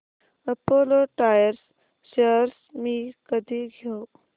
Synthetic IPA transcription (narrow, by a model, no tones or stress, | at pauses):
əpoloʈajəɾs | ɕəɾsmiːkəd̪ʱiːɡʱew